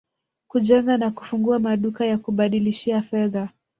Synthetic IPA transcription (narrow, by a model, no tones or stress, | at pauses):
kuʄɛŋɡanaku̥fuŋɡuamaɗukajakuɓaɗiliʃiafɛða